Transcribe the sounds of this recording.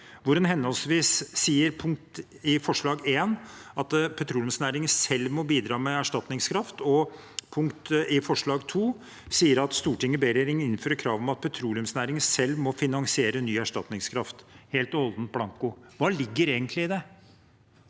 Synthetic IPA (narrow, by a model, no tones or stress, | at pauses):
ʋʊɾɑnɦɛnɔlsʋiːsːiːəɾpʰʊŋk̚t̪ | ɪfɔʂɭɑːɡeːnɑt̪pʰɛt̪ʰɾuːljʉmsnæːɾɪŋənsɛlmɔbiːd̪ɾɑːmɛæʂʈɑt̪nɪŋskʰɾɑft̪ɔ | pʰʊŋkt̪ɪfɔʂɭɑːɡt̪ʰuː | siːəɾɑt̪st̪uːʈʰɪŋːəbeːɾeːɾɪŋɪnføːɾəkʰɾɑːʋəmɑt̪̚pʰɛt̪ʰɾuːlɪʉmsnæːɾɪŋənsɛlmɔfɪnɑŋsɪeːɾənyːæʂʈɑt̪nɪŋskʰɾɑft̪heːlt̪ɔɔld̪n̩blɑŋkʊʋɑːlɪɡːəɾeːɡənt̪ʰlɪɪd̪ɛ